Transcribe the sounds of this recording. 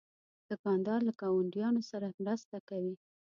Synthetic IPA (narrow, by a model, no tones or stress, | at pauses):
d̪̥əkɑnd̪ɑɾlakɑwaɳɖjɑnosaɾamɾast̪akawi